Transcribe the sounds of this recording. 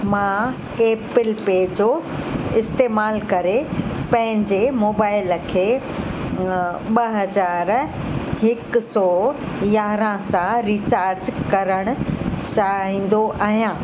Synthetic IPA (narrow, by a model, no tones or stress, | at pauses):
mãː | eːpɪlpeːd͡ʑoːɪst̪eːmaːlkɐɾepɐ̃ɦɪ̃ɲd͡ʑemoːbaːɪlkʰeː | ɓɐɦɐzaːɾɦɪkʊsɔː | jaːɾãsãɾiːt͡ɕaːɾd͡ʑkɐɾəɽ̃ʊ̆t͡ɕaɦĩːn̆d̪oʔaːɦijãː